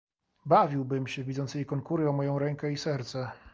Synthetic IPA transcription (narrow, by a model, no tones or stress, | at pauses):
bavʲiwbɘmɕɛvʲizɔnt̪sjejkɔŋkuɾɘɔmɔjɔ̃w̃ɾɛŋkɛisɛɾt̪sɛ